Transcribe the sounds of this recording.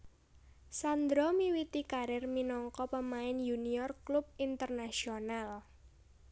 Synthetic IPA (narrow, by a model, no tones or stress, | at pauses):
sand̪ɾɔmiwit̪ikaɾɪrminɔŋkɔpəmaɪnjuniɔrklub̚int̪ərnasional